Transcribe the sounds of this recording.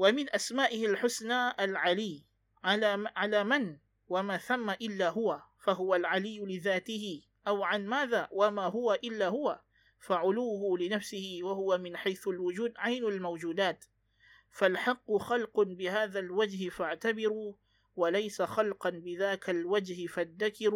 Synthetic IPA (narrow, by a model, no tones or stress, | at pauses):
wamɪnʔasmaːʔɪhalħʊsnaːʔalʕalɪː | ʕalaːʕalaːman | wamaːθamːaʔɪlːaːɦʊwafaɦʊwalʕalɪjːʊlɪðaːt̪ɪhɪ | ʔawʕanmaːðaːwamaːɦʊwaʔɪlːaːhʊwa | faʕʊluːhʊlɪnafsɪhɪwahʊwamɪnħajθʊlwʊd͡ʒuːd̪ʕajnalmawd͡ʒuːd̪aːt̪ | falħɑqːʊxɑlqbɪhaːðalwad͡ʒhɪfaʕt̪abɪɾuː | walajsaxɑlqɑnbɪðaːkʰalwad͡ʒhɪfad̪ːakɪɾu